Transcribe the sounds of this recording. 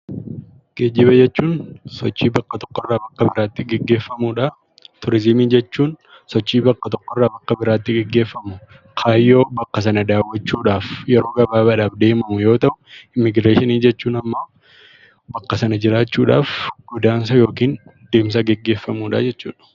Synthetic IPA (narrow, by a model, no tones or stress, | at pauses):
ɡ̥ed͡ʒːɪbɐd͡ʒɛt͡ʃːuːnsɔt͡ʃːiːbɐkːɐt̪ɔ̥kːɔrːaːbɐkːɐbɪɾaːt̪ːɪɡɛɡːe̞ːfːɐmuːᶑa | t̪ʊɾɪzɪmiːd͡ʒɛt͡ʃːuːn | sɔt͡ʃːiːbɐkːɐt̪ɔkːɔrːaːbɐkːɐbɪɾaːt̪ːɪɡɛɡːe̞ːfːɐmʊ | kʰaːjːo̞ːbɐkːɐs̬ɐnɐd̪aːwːɐt͡ʃːuːᶑaːfjɛɾoːɡɐbaːbɐᶑaːfd̪e̞ːmɐmʊjo̞ːt̪ɐʔʊɪmːɪɡɾeːʃɪniːd͡ʒɛt͡ʃːuːnɐmːɐ | bɐkːɐsɐnɐd͡ʒɪɾaːt͡ʃːuːᶑaːfɡ̥ʊd̪aːns̬ɐjo̞ːkiːnd̪e̞ːms̬ɐɡɛɡːe̞ːfːɐmuːᶑa̰ːd͡ʒɛt͡ʃːṵːᶑɐ̥